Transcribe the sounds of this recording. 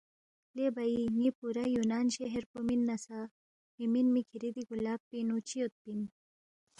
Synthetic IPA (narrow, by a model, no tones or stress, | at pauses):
lebaiŋipuɾajunaːnɕeɦeɾpominːɐsa | miminmikʰiɾid̪iɡulaːppinut͡ɕiot̪̚pin